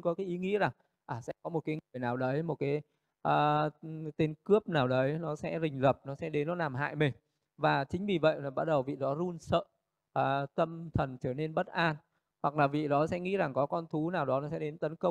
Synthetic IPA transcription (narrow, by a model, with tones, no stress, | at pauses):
kɔ˨˦kaː˨˦jʔi˨˦ŋḭ˧˥za˨˩ŋ | ʔaː˨˩sɛ̰˧˥kɔ˨˦mo˨˩t̚kaː˨˦jŋɨ˨˩əjnaː˨˩wɗə˨˦jmo˨˩t̚kaː˨˦j | ʔaː˨˩t̪e˧nkɨ˦˥əp̚naː˨˩wɗə˨˦jnɔ˨˦sɛ̰˧˥zï˨˩ŋ̟lə˨˩p̚nɔ˨˦sɛ̰˧˥ɗe˨˦nːɔ˨˦laː˨˩mɦa̰ː˧˨jmi˨˩ŋ̟ | vaː˨˩t͡ɕï˨˦ŋ̟vi˨˩və̰˧˨jlaː˨˩ɓa˦˥t̚ɗə˨˩wvḭ˧˨ɗɔ˨˦zu˧ənsə̰ː˧˨ | ʔːt̪ə˧mt̪ʰə˨˩nt͡ɕəː˧˩ne˧nɓə˦˥t̚ʔaː˧n | hwa˨˩k̚laː˨˩vḭ˧˨ɗɔ˨˦sɛ̰˧˥ŋḭ˧˥za˨˩ŋkɔ˨˦kɔ˧nt̪ʰu˨˦naː˨˩wɗɔ˨˦nɔ˨˦sɛ̰˧˥ɗe˨˦nt̪ə˨˦nkə˧wŋ͡m